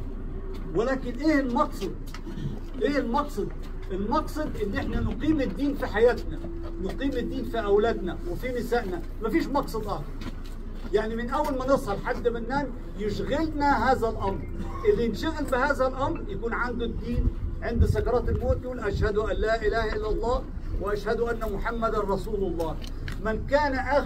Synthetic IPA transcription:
wɪlaːkɪnʔeːhɪlmɑqsˤɑd̪̚ | ʔeːhɪlmɑqsˤɑd̪̚ | ʔɪlmɑqsˤɑd̪ʔɪlːnɪħnanʊqiːmɪd̪ːiːnfiħajaːt̪na | wnʊqiːmɪd̪ːiːnfiʔawlaːd̪nawɪfinɪsaːʔna | mafiːʃmɑqsˤɑd̪ʔɑhd̪ɑɾˤ | jaʕnimɪnʔawːalmanɨsˤɑlħad̪ːabɪnːaːn | jɪʃɣɪlnaɦaːzalʔamɾ | ʔɪðinʃaɣɪlbɪhaːzalʔamɾjakuːnʕand̪ʊd̪ːiːnʕɪnd̪sakɑɾˤɑːt̪ɪlmoːt̪juːlʔaʃhad̪uʔalːaːʔɪlaːhaʔɪlːɑlˤːɑː | wɪʔaʃhad̪uʔanːamʊħamːad̪anɾˤɑsuːlʊlˤːɑː | mɪnkaːnaʔa

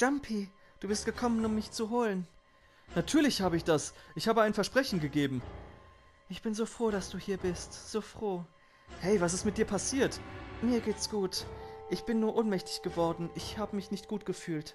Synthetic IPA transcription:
ʒ̥ampʰi | d̥uːbɪst̚ɡ̥əkʰɔmənʊmːɪçt͡suɦoːlən | natʰyːɐlɪçhaːbəɪçd̥asʔɪçhaːbəaɪnfɛɐʃpʁ̥ɛçn̩ɡəɡeːbm̩ | ʔɪçb̥ɪnzoːfʁ̥oːɾasd̥uːhiːɐbɪstz̥oːfʁ̥oː | hɛɪvas̬ɪstmɪt̚d̥iːɐpʰasiːɐtmiːɐɡeːtsɡ̥uːtʔɪçb̥ɪnːuːɐʔoːnmɛçtɪ̥çɡ̥əvɔɐdn̩ʔɪçhaːbəmɪçnɪçt̚ɡ̥uːt̚ɡ̥əfyːlt

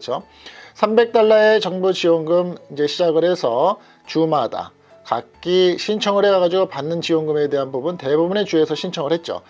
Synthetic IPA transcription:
t͡ɕʰo | sʰambe̞k̚t͈aɭːae̞t͡ɕʌŋbut͡ɕiwoŋɡɯmind͡ʑe̞ɕʰid͡ʑaɡɯɾhe̞sʰʌ | t͡ɕumada̰ | ka̰k͈iɕʰint͡ɕʰʌŋɯɭhe̞ɡaɣad͡ʑiɡopanːɯnt͡ɕiwoŋɡɯme̞de̞ɦanpubunte̞bubune̞t͡ɕue̞sʰʌɕʰint͡ɕʰʌŋɯɭhet̚t͡ɕ͈o̰

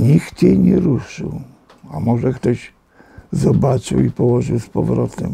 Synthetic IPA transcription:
ɲikt̪jejɲɛɾuʂɨ̰w | a̰mɔʐɛkt̪ɔʑ | zɔbat͡ʂɨwipɔwɔʐɨwspɔvɾɔt̪ɛm

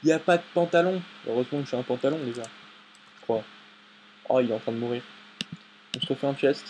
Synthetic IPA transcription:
iljapad̪əpɑ̃t̪alɔ̃ø̰ʁøzmɑ̃ilfɛɛ̃pɑ̃t̪alɔ̃d̪eʒa | ʒʒ̥ə̥kχwa | a̰ilɛt̪ɑ̃t̪χɛ̃d̪əmuʁiːʁ | ɔ̃sʁəfɛɑ̃pjɛst̪

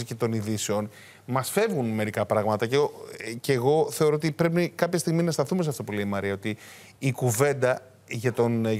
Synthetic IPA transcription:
cet̪o̞niðiseo̞n | mɐsfe̞vɣunme̞ɾikɐpɾɐɣmɐt̪ɐceceːɣo̞θe̞o̞ɾoot̪ipɾe̞p̬ikɐpçɐst̪iɣminɐst̪ɐθumeseɐft̪o̞pule̞imɐɾiɐo̞t̪iː | kuve̞nd̪ɐ | ʝɐt̪o̞n

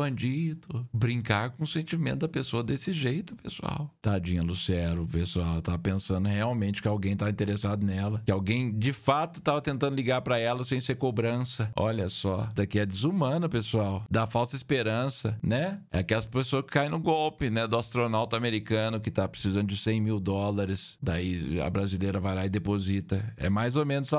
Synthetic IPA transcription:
bɐ̃d͡ʒid̪ʊbɾĩŋkaɾkõʊsẽnt͡ʃimẽt̪ʊd̪ɐpesoɐd̪esɪʒejt̪ʊ̥pḛsṵa̰wt̪ad͡ʒĩɲɐlusiɛɾʊpesuawt̪avɐpẽsɐ̃nd̪ʊheawmẽnt͡ʃɪ̥kɪawɡẽj̃t̪aĩt̪eɾesad̪ʊnɛlɐkɪawɡẽj̃d͡ʒɪfat̪ʊ̥t̪avɐt̪ẽnt̪ɐ̃nd̪liɡaɾpɾɐɛlɐsẽj̃seɾkobɾɐ̃sɐɔ̰ʎɐsɔd̪ɐkɪɛd͡ʒ̪ɪzumɐ̃nɐpesuawd̪afawsɐispeɾɐ̃sɐnɛɛɐkɛlɐspesoɐskɪ̥kaj̃nʊɡɔwpɪnɛd̪ʊast̪ɾonawt̪ʊameɾikɐ̃nʊkɪt̪apɾe̥sizɐ̃nd̪ʊd͡ʒɪsẽj̃miwd̪ɔlɐɾɪsd̪aiɐ̰bɾazilejɾɐvajlaid̪epozit̪ɐɛ̰majzomẽnʊzsa

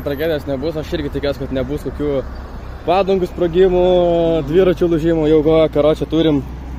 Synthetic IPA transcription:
t̪ɾɐɡʲæːd̪ʲɪjoːsnʲɛbʊsɐʃɪrʲɡʲɪt̪ʲɪkʲoːsʲɪkɐt̪nʲɛbuskoːkʲuː | pɑːd̪ʊŋɡʊspɾoːɡʲɪmʊd̪ʲʋʲiːɾɐt͡ʃʲuːlˠʊʒʲimʊjɛʊkoːjokɐɾoːt͡ʃʲɛt̪uːɾʲɪm

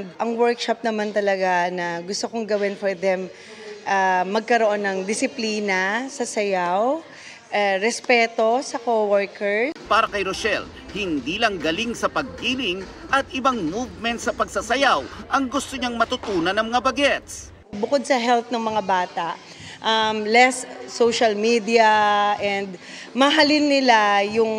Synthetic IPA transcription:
d̪̚ʔɐŋwɛɹkʃɐp̚nɐmant̪ɐlɐɡanɐɡʊst̪okoŋɡɐwɪnfoɹd̪ɛm | ʔamɐɡ̚kɐɾoʔo̞nːɐŋd̪ɪsɪpliːnɐsɐsɐjaw | ʔaɾɛspɛːt̪o̞sɐkowɔɹkɛɹpaːɾɐkɐjɾosɛl | hɪnd̪iːlɐŋɡɐliŋsɐpɐɡ̚hiːlɪŋʔɐt̪̚ɪbaŋmuvmɛnt̪sɐpɐɡsɐsɐjawʔɐŋɡʊst̪oɲaŋmɐt̪ʊt̪uːnɐnːɐŋmɐŋabɐɡɛt̪s | bʊkod̪̚sɐɦɛlp̪̚nɐŋmɐŋabaːt̪aʔ | ʔɐmlɛsːowʃɐlmid̪iɐʔɛnd̪ | mɐɦalɪnːɪlajʊŋ

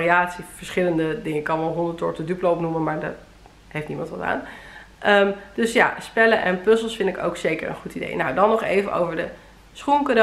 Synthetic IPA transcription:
riaːtsiv̥əɹsχɪləndədɪŋəkɑlˠʋɔlˠɦɔndətɔɹtədypləɔpnuməmaːɹdə̰ | hejftnimɑntʋɑta̰ːn | ʔəmd̥ɵsja̰spɛləʔɛnpøsəlˠsfɪndɪko̰wksejkə̰ɹə̰nχutidḛjnawdɑnːɔχejvəʔo̰wvəɹdə | sχunkado

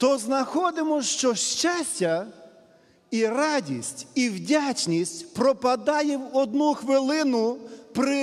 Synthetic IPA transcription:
t̪ɔznɐxɔd̪ɪmɔʃt͡ʃɔʃt͡ʃasʲtʲɐ | iɾɑdʲḭsʲtʲiwdʲat͡ʃnʲisʲtʲpɾɔpɐd̪ɑjɛwɔd̪nuxʋɪlˠɪnʊpɾɪ

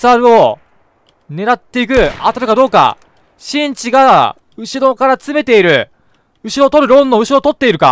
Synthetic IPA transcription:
aɾɯ̟o̞ | ne̞ɾat̪ːe̞ik̬ɯ̟at̪aɾɯ̟kad̪o̞ːka̰ | ɕĩɲ̟t͡ɕiɡa | ɯ̟ɕiɾo̞kaɾat͡sɨme̞t̪e̞iɾɯ̟ | ɯ̟ɕiɾo̞t̪o̞ɾɯ̟ɾõ̞nːo̞ɯ̟ɕiɾo̞t̪o̞t̪ːe̞iɾɯ̟ka̰

